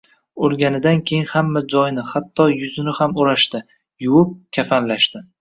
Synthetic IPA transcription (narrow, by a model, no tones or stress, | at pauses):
olˠɡʲanɪd̪ankʲʰe̞jɪnhamːad͡ʒɒjnɪhat̪ʰːɒjʊzɪnɪhamoɾaʃt̪ɪ | jʊwʊp̚kʲʰafanlaʃt̪ɪ